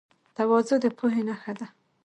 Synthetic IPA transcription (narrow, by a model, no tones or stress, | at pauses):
t̪awɑzod̪əpʰuɦenaxad̪a